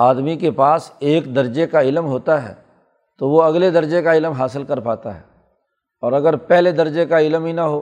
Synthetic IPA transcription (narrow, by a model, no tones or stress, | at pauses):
aːd̪mikepaːseːkd̪ɐɾd͡ʒekaɪlmɦoːt̪aɦɛ̰ː | t̪oʋoɐɡled̪ɐɾd͡ʒekaɪlmɦaːsɪlkɐɾpaːt̪a̰ɦɛ̰ː | ɔːɾɐɡəɾpɛɦled̪ɐɾd͡ʒekaɪlmɦinɐɦoː